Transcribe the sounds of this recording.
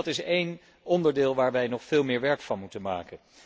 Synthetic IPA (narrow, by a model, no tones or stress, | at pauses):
tɪsejn | ɔndəɹdɪːlˠʋaːɹʋɛjnɔχfɪːlˠmɪːɹʋɛɹkfɑnmutənma̰ːkən